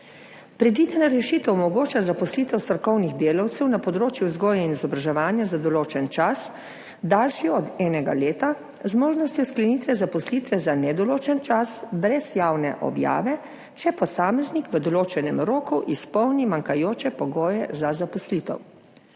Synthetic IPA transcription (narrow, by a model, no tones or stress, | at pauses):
pɾɛd̪ʋiːd̪ɛnaɾɛʃiːt̪ɛwmɔɡoːt͡ʃazapɔsliːt̪ɛwst̪ɾɔkɔwniɣd̪eːlawt̪sɛwnapɔd̪ɾoːt͡ʃjuzɡoːjainizɔbɾaʒɛʋaːnjazad̪ɔloːt͡ʃɛnt͡ʃas | d̪aːlʃiɔd̪ɛːnɛɡa̰leːt̪a | zmoːʒnɔst̪jɔsklɛniːt̪ʋɛzapɔsliːt̪ʋɛzanɛd̪ɔloːt͡ʃɛnt͡ʃasbɾɛzjaːwnɛ̰ʔɔ̰bja̰ːʋɛ | t͡ʃɛpɔsaːmɛznikʋəd̪ɔloːt͡ʃɛnɛmɾoːkuʔispɔwnimaŋkajoːt͡ʃɛpɔɡoːjɛzazapɔslit̪ɛ̰w